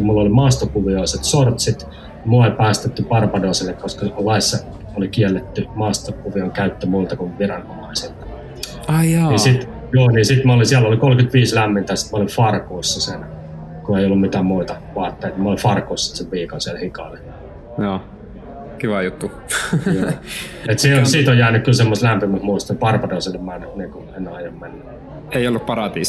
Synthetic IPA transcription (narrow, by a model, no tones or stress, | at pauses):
umulːolimɑˑːst̪okuʋioˑiset̪sort̪sit̪ | moepæːst̪et̪ːypɑrpɑdoˑiselːekkoskɑlɑisːɑ | olikiɛlːet̪ːymɑːst̪okuʋioŋkæyt̪ːømult̪ɑkunʋirɑnomɑiselt̪ɑ | ɑɑnisit̪ | joːniːsit̪mæolinsiælːolikolkyt̪ʋiːslæmːint̪æːsi̥t̪mæolifɑrkoisːɑsiːn | kueˑiolːummit̪æːmmuit̪ɑʋoɑːˑt̪ːeːˑit̪mæolifɑrkossi̥t̪seʋʋiːkonsiælhikɑle | joː | kiʋɑjut̪ːu | et̪seonsiːt̪ojæːnykkylsemːost̪læmpimæsmuist̪ompɑrpɑroiselːemmænːniːŋkoenːɑijommenːæ | eiolːuppɑrɑt̪ḭːs